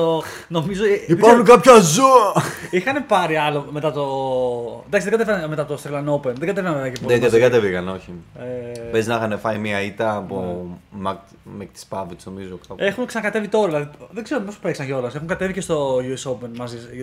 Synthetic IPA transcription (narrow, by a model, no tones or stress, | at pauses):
o | no̞mizot̪iipɐɾnunkɐpçɐzuɐixɐne̞pɐɾiɐlo̞me̞t̪ɐt̪o̞ | nɐksiðeɡɐt̪eeɾɐnme̞t̪ɐt̪ost̪ɾelɐno̞penðeɡɐt̪eɾɐnveveɐcepoet̪ɐsðeɡɐt̪evikɐno̞çiepeznɐxɐnefɐimiɐit̪ɐːpomɐk | mekt̪i̥spɐvit͡snomizokɐpe̞xunksɐnɐkɐt̪e̞vit̪o̞ɾɐðelɐðiðeɡze̞ɾopospeksɐnʝo̞lɐse̞xuŋɡɐt̪e̞vicest̪o̞ʝuesopenmɐzis